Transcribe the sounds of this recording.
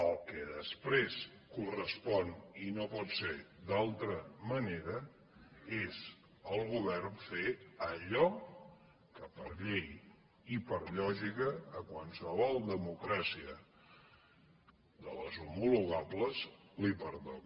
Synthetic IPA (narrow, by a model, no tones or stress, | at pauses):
əlˠkɛðəspɾes | kurəspɔninopɔt̪sed̪alˠt̪ɾəməneɾə | ez | əlˠɣuβɛrnfeəʎɔ | kəpəɾʎej | ipəɾʎɔʒikəːkwansəβɔlˠd̪əmukɾasiə | ðələzumuluɣabləzlipəɾðon